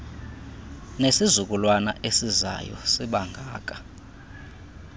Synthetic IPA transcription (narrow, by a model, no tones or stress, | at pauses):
nesizuk̬ʼulwanaʔesiza̰jɔ̰siɓaŋɡʱaːk̬ʼḁ